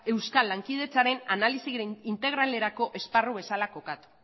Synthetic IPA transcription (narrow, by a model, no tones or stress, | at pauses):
e̞wskalːaŋkið̞e̞t͡saɾe̞nanalisiint̪e̞ɣ̞ɾale̞ɾako̞ʔe̞sparuβ̞e̞salako̞kat̪u̥